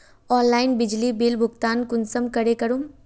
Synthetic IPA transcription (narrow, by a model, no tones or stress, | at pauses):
ɔːnlaːɪnbɪd͡ʒlibeːlbʱʊɡt̪aːnkʊnsəmkɐɾekɐɾum